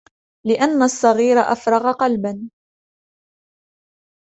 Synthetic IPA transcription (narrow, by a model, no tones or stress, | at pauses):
lɪʔanːasˤːɑɣiːɾaʔa̰fɾˤɑɣaqɑlban